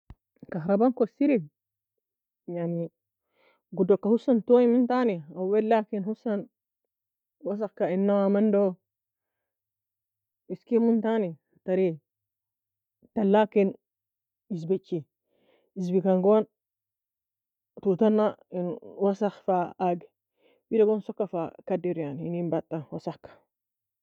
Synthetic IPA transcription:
kaɦɾabankosiɾi | jani | ɡudokːahusantojimuntaniawwelakinhusan | was̬axkainːawamando | iskimuntaniataɾi | talːakin | izbit͡ʃːi | iz̬bikaŋɡon | tutanːainwasaxfaaɡ | wiɾaɡonsɔkːafakadiɾjaninimbatːawasakːḁ

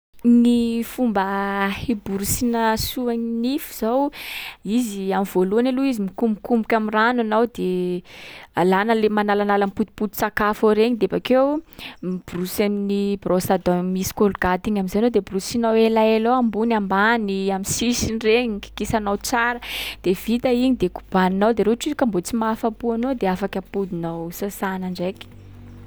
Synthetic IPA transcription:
nifumbəhebuɾusinəsuaɲinifiz̥awiziamivoluanaluizimikumbukumbukʲamirananawd̪e | alanəlemanalanalamiput̪u̥put̪u̥t͡sakafoɾeɲid̪eabakew | b̥rusaminibrʔosad̪amisi̥kolɡat̪iɲamizanod̪ebrusinawelaeloambunambaniamisisinireɲiki̥kisanawt͡saɾəd̪̥ev̥it̪əiɲid̪eku̥b̥aninawd̪eɾeʈ͡ʂizkambot͡simafapuanod̪eafakəpud̪inawsasanaɳɖ͡ʐeki̥

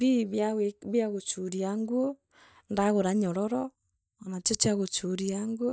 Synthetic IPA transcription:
biβaeβjaɣot͡ʃuɾiaŋɡuo | ndaɣoɾaɲɔɾɔɾɔ | anat͡ʃet͡ʃaɣot͡ʃoɾiaŋɡuo

